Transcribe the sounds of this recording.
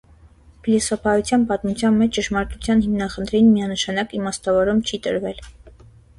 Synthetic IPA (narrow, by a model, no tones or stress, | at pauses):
plisɔpʰɑjut͡sʰjɑnpɑt̪mut͡sʰjɑnmɛt͡ʃʰt͡ʃəʃmɑɾt̪ut͡sʰjɑnhimnɑχənt̪ʰɾɛjinmiɑnəʃɑnɑkimɑst̪ɑvɔɾumt͡ʃʰit̪ə̰ɾvɛl